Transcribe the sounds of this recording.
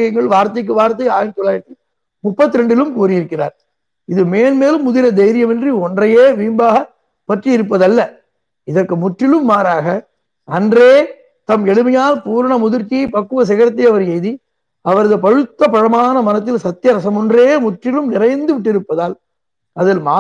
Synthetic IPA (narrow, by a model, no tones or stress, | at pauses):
jɐŋɡɐɭʋaːɾt̪ːɐɪk̬ːɯʋaːɾt̪ːɐɪaːjnt̪ɔɭaːʈːi | mʊpːɐt̪ːɪɾɛɳɖɪlɯmkuːɾɪjɪɾɯkːɪra̰ːɾ | ɪðɯmeːlmeːlɯmːʊðɪɾɐd̪ɛjɾɪjɐmɛndriɔndrɐjeːʋiːmbaːɣɐ | pɐʈriɪɾɯp̬ːɐðɐlːɐ | ɪðɐrkɯmʊʈrɪlɯmːaːɾaːɣɐ | ɐndreː | t̪ɐmɛɽɯmɐjaːlpuːɾɐɳɐmʊðɪɾt͡ʃːɪjɐɪpɐkːɯʋɐs̬ɛɣɐɾɐt̪̬ːɐɪɐʋɐɾɛjði | ɐʋɐɾɐðɯpɐɻɯt̪ːɐpɐɻɐmaːnɐmɐnɐt̪ːɪlsɐt̪ːɪjɐɾɐsɐmɔndreːmʊʈrɪlɯmnɪɾɐɪnd̪ɯʋɪʈːɪɾɯpːɐðaːl | ɐðɪlmaː